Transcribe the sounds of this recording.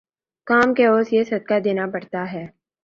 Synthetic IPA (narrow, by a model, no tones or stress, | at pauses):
kaːmkeoːsjesɐd̪̚kad̪eːnapɐɽt̪aɦɛː